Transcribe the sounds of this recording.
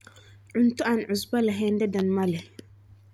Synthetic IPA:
ʔʊntuʔanʕʊsbalaɦɛndɛdanmalɛ

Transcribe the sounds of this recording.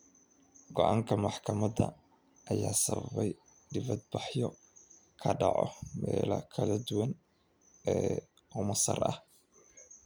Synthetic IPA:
ɡɔʔaːŋkʰɐmɑħkʰɐmɐdɐ | ʔɐjaːsɐβɐβɛj | ɖɪβɐd̪̚bɑħjɔ | kʰɐɖɑʕɔmɛːlɐ̰kʰɐlɐd̪ʊwɐn | ɛː | ʔʊmɐsɐ̰rʔɐ̰h

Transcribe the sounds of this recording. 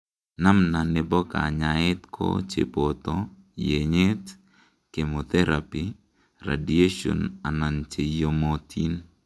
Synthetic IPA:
namnanebɔka̰ɲaɪt̪kʰo̰t͡ʃḛpot̪ɔ | jeɲet̪ | kemot̪ɛɾapi | ra̰dieʃo̰nanant͡ʃejomot̪ʰin

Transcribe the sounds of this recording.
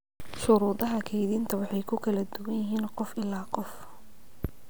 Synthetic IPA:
ʃʊɾuːðɐɦɐkʰɛjðiːnt̪ʰɐwɑħɑjkʰʊkʰɐlɐd̪ʊwɐnjɪɦiːnqɔfɪlaːqɔf

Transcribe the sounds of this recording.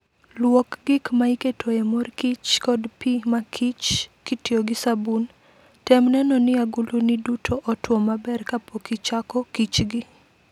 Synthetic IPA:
lwokɡɪkmaiketʰoemorkit͡ʃkɔdpimakʰit͡ʃkitioɡɪsabun | tɛmnɛnɔnɪaɡulunɪdutʰoʔɔtwɔmabɛrkapʰokit͡ʃakɔkit͡ʃɡɪ

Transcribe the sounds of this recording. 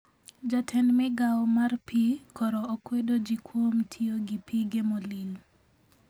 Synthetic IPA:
d͡ʒatʰɛnmɛɡawmarpʰikʰɔɾɔːkwedod͡ʒikʰwomtʰioɡipʰiɡemolil

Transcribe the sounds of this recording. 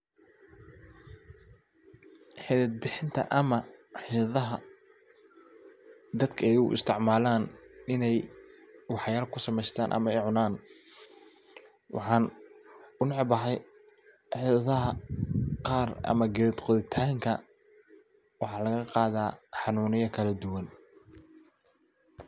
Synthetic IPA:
ħɪðɐd̪̚bɪħɪnt̪ʰɐ̰ʔɐmɐħɪðɐɦɐ | d̪ɐd̪kʰɐɛjʊ̰ʔɪ̰st̪ʰɪʕmaːlaːnʔɪnɛj | wɑħjaːlɐkʰʊsɐmɛjst̪ʰa̰ːnʔɐ̰mɐɛjʕʊnaːn | wʔɑ̰ħɑːn | ʊnʕbɐħɛj | ħɪːðɐðɐɦɐqɑːrɐ̰mɐɡɛðd̪qɔðɪt̪ʰaːŋkʰɐ | wɑħɑːlɐɣɐqɑːðaːħɑnuːnɪjɐkʰɐlɐd̪ʊwɐn

